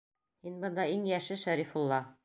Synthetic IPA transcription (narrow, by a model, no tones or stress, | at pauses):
hinbɤ̆nd̪ɑiŋjæʃɘʃæɾifulˠːɑ